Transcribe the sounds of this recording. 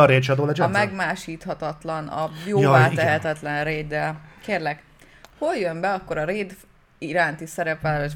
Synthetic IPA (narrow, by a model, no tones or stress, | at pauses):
ɒɾeːd̪t͡ʃɒd̪oːlɒd͡ʒɒmɛɡmaːʃiːt̪hɒt̪ɒt̪lɒnɒ̰joːaːɛɦɛt̪ɛt̪lɛnreːd̪ɛkeːrlɛk | ho̞ljømbɛɒkːo̞ɾɒɾeːd̪ | iɾaːnt̪isɛɾɛpɛlɛ